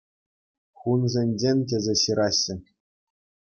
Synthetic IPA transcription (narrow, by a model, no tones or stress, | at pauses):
χunzʲenʲd͡ʑenʲtʲezʲeɕɯɾʔɑɕːɘ̆